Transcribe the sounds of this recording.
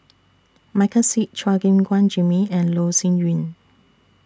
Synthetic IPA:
makʰəsit̚t͡ʃaɡĩmɡwãnd͡ʒĩmiɛ̃nlosĩnjĩn

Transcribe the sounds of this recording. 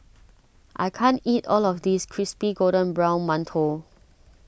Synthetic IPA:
ʔa̰ɪkʰãntitɔlɔfdiskʰɹispiɡodə̃nbɹãw̃nmãntʰo

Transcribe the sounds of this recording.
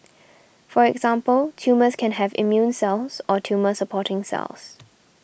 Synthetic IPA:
fɔɹɛɡzãmpəltʰjuːməskʰɛ̃nɦɛvḭmjũnsɛlˠsɔtʰjuːməsəpʰɔtɪ̃ŋsɛ̰ls

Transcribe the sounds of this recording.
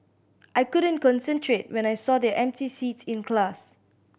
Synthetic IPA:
ʔajkudə̃nkɔ̃nsɛ̃ntʰɹet̚wɛ̃najsɔdɛʔɛ̃m̚tisitĩnklas

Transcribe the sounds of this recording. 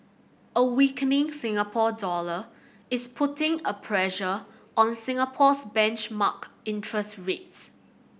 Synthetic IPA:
əwikənɪ̃ŋsɪ̃ŋapʰɔdɔlə | ɪspʰʊtɪ̃ŋəpʰɹɛʃə | ʔɔ̃nsɪ̃ŋapʰɔsbɛ̃nt͡ʃmakɪ̃ntʰɹəstɹets

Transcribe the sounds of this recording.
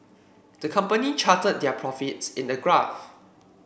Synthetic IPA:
d̥əkʰãmpənit͡ʃatəd̚dɛpʰɹɔfitsɪ̃ndəɡɹaf

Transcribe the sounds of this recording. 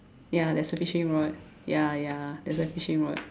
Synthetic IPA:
jadɛsəfiʃə̃nɹɔt̚ | jajadɛsəfiʃə̃nɹɔt̚

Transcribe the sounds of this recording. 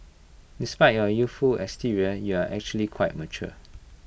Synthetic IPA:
dispaɪt̚jɔjusfulɛ̰stiɹiəjuaʔɛk̚t͡ʃuəlikʰwaɪt̚mət͡ʃṵ

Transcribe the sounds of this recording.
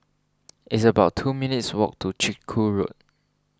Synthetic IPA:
ʔɪtsəbaʊtʰːuminitswɔ̰k̚tʰut͡ʃikʰːuɹo̰t̚

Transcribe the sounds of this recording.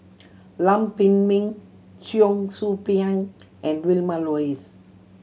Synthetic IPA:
lãmpĩnmĩŋ | t͡ʃiõŋsupiãŋ | ʔɛ̃nwilmalɔis

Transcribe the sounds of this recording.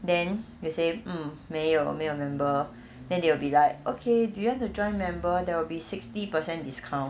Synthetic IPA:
dɛ̃njusem̩meɔɔ̰meimɛ̃mbə | dɛ̃ndewilbilaɪk̚okʰedujuwãntud͡ʒɔ̃ɪ̃nmɛ̃mbədɛwilbisɪk̚stipəsɛ̃ndiskʰãʊ̃n

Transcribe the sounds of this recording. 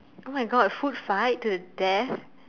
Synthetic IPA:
omaɪɡɔdəfudfaɪtːuðədɛθ

